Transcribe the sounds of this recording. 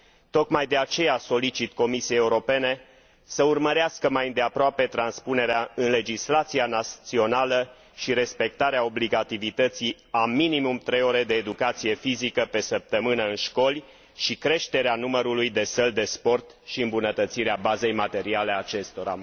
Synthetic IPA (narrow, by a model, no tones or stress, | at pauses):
t̪o̞kmajd̪e̞at͡ʃe̞jaso̞lit͡ʃit̪ko̞misijejeuɾo̞pe̞ne̞ | səurməɾeaskəmajɨnd̪e̞apɾoape̞t̪ɾanspune̞ɾeaɨnle̞d͡ʒislat̪sianat̪sio̞nalə | ʃiɾe̞spe̞k̚t̪aɾeao̞bliɡat̪ivit̪ət̪si | aminimumt̪ɾe̞jo̞ɾe̞d̪e̞ːd̪ukat̪sije̞fizikəpe̞səp̚t̪əmɨnəɨnʃko̞lʲ | ʃikɾe̞ʃt̪e̞ɾeanuməɾulujd̪e̞səld̪e̞spo̞rt̪ | ʃiɨmbunət̪ət̪siɾeabaze̞jmat̪e̞ɾiale̞at͡ʃe̞st̪o̞ɾa̰